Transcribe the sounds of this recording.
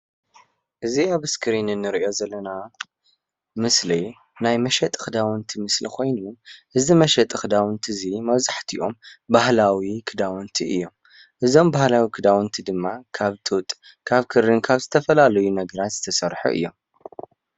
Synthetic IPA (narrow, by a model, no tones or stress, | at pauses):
ʔɨziaβɨskʰɾinɨnːɨɾiʔo̞zɐlːɐna | mɨsli | najmɐʃɐt̪ʼɨ̥xɨd̪awɨnt̪ʰimɨslḭkʰo̞jnuʔɨzimɐʃɐt̪ʼɨxɨd̪awɨnt̪ʰizimɐβzaħt̪ʰiʔo̞mbahlawikʰɨd̪awɨnt̪ʰiʔɨ̰jːo̞m | ʔɨzo̞mbahlawikʰɨd̪awɨnt̪ʰid̪ɨmːakʰaβt̪ʰut̪ʼ | kʰaβkʰɨɾːɨnkʰaβzɨt̪ʰɐfɐlalɐjunɐɡɐɾat̪z̥ɨ̥t̪ʰɐsɐɾħṵʔɨ̰jːo̞m